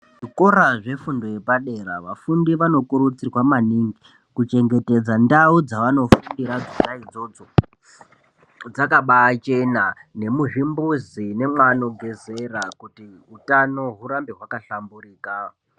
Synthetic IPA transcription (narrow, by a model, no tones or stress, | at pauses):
ʐiko̞ɾaʐe̞fundo̞je̞paɗe̞ɾaʋafundiʋano̞kuɾut͡sirwamaniːŋɡi | kut͡ʃe̞ŋɡe̞te̞d͡zandaud͡zaʋano̞fundiɾad͡zunaid͡zo̞d͡zo̞ | d͡zakaɓaːt͡ʃe̞nane̞muʐimbuzine̞mwano̞ɡʱe̞ze̞rakuti | utano̞ɦuɾambeɦwakaɬamburiːka